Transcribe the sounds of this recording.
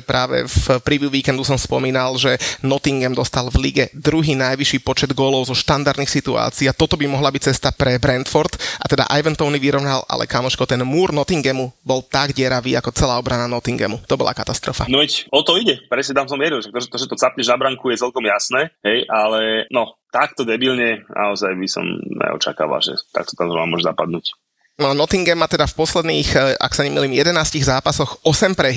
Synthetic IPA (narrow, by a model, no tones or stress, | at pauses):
pɾaːʋɛ̰fpɾiʋuːʋiːkɛnd̪usɔmspɔmiːnalʒɛnɔt̪iŋɡɛmd̪ɔst̪alvliɡɛd̪ɾuɦiːnajʋiʃiːpɔt͡ʃɛd̪ɡɔːlɔʊzɔʃt̪and̪aɾd̪niːxsit̪ua̰ːt͡siːat̪ɔt̪ɔbimɔɦlabic̚t͡sɛst̪apɾɛbɾɛnt̪fɔɾt̪ʔat̪ɛd̪a̰ʔa̰jʋɛnt̪ɔʊniʋiɾɔʊnala̰lʔɛ̰kamɔʃkɔt̪ɛnmuːɾnɔt̪iŋɡɛmubɔlt̪aɡɟɪɛɾaʋiːakɔt͡sɛlaːɔbɾananɔt̪iŋɡɛ̰mut̪ɔbɔ̰la̰kat̪ast̪ɾɔfa̰nɔʋɛcɔt̪ɔiɟɛpɾɛsɲɛt̪amsɔmʋjɛɾilʃak̚t̪ɔʒt̪ɔʒɛt̪ɔt͡sapɲɛʒnabɾaŋkujɛt͡sɛlkɔmjasnɛːɦɛjʔalɛnɔt̪akt̪ɔd̪ɛbilɲɛnʔa̰ɔzajbisɔ̰mɲɛ̰ɔ̰t͡ʃa̰ka̰ːʋa̰lʒɛ̰t̪a̰k̚t̪ɔ̥t̪amzɾɔnamɔʒzapad̪nuːc | nɔnɔt̪iŋɡɛmːat̪ɛd̪afpɔslɛd̪niːxa̰ksaɲɛmḭliːmjɛd̪ɛnaːsciɣzaːpasɔxɔsɛmpɾɛ